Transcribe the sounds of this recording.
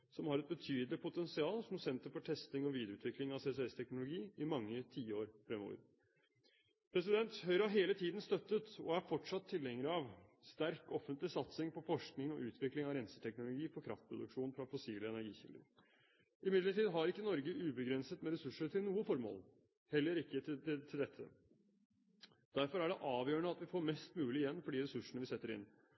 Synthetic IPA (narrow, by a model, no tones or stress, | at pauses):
sɔmhɑɾɛt̪̚bət̪ʰyːd̪lɪpʰʊt̪ɛnsɪɑːlsɔmsɛnt̪əɾfɔʈʰɛst̪ɪŋɔʋiːd̪ɾəʉːt̪ʋɪklɪŋɑʋseːsɛɛst̪ʰɛknʊlʊɡiːɪmɑŋːət̪ʰiːəoːɾfɾɛmo̰ːɾ | pʰɾɛsɪd̪ɛnt̪hœʏɾɑɦeːlət̪ʰiːd̪n̩st̪œt̪ːət̪ɔ̰æɾfɔʈʂɑt̪ʰːɪlɛŋːəɾɑʋst̪æɾkɔfənt̪lɪsɑt̪sɪŋpʰɔfɔʂknɪŋɔ̰ʔʉːt̪ʰʋɪklɪŋɑʋɾɛnsə̥t̪ʰɛknʊlʊɡiːfɔɾkʰɾɑ̰ft̪̚pʰɾʊd̪ʉkʂuːnfɾɑfɔsiːləɛnæɾɡiːçɪ̰ld̪ə̰ɾ | ɪmɪd̪ləʈiːd̪ɦɑɾɪkːənɔɾɡəʔʉːbəɡɾɛnsət̪mɛɾɛsʉʂəʈʰɪlnuːəfɔɾmo̰ːl | hɛlːəɾɪkːət̪ɪt̪ʰɪld̪ɛt̪ʰːə̰ | d̪̥æɾfɔɾæɖɛʔɑːʋjøːɳəɑt̪ʋɪfoːɾmɛst̪mʉːlɪjɛnːfɔɖiːɾɛsʉʂəɳəʋɪsɛt̪ːəɾɪ̰nː